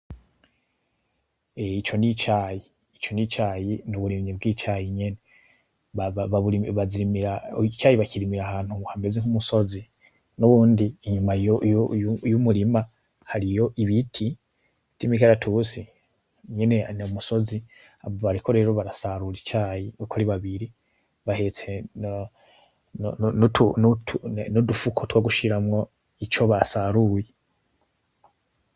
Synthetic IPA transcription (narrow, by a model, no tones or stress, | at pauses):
eit͡ʃo̞nit͡ʃaːjiː | t͡ʃo̞nit͡ʃaːjinuβuɾimɲibɡiːt͡ʃajiɲene | aβaβuiβaziɾimiɾat͡ʃaːjiβaciɾimiɾahaːn̥huhambeziŋumuso̞zi | nuβuːndiːɲumaj | jumuɾima | haɾijo̞ʔiβitʰi | timikaɾatʰusi | ɲene̞nomuso̞zi | aβoβaɾikʰo̞ɾe̞ːɾo̞βaɾasaɾulit͡ʃaːjiukoɾiβaβiɾi | βahet͡sen | nontʰunutunudufukʰotwaɡuʃiɾamŋo̞ | it͡ʃo̞βasaɾuje